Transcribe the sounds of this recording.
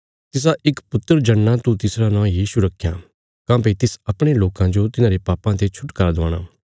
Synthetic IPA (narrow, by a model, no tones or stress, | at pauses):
t̪ɪs̬aʔɪkpʊt̪ːəɾd͡ʒɐɳːãt̪ut̪ɪsɾanãːjiːʃuɾɐkʰːjaː | kãːpeit̪ɪsɐpɽ̃eloːkãd͡ʒot̪ɪnãːɾepaːpãt̪et͡ʃʰʊʈkɐɾd̪ã̰ːɽ̃a̰ː